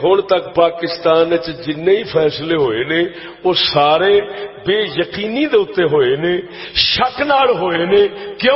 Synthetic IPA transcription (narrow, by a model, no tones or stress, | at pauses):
ɦʊɳt̪əkpaːkɪst̪aːnt͡ʃd͡ʒɪnːeːiːpʰɛːsleːɦoːeːneː | oːsaːɾeːbeːjəkiːniːd̪eːʊt̪ːeːɦoːeːneː | ʃəknaːɭɦoːeːneːkɪjõ